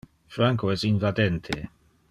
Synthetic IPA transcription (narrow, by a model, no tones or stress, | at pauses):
fɾaŋkoɛzinvad̪ɛnt̪ʰḛ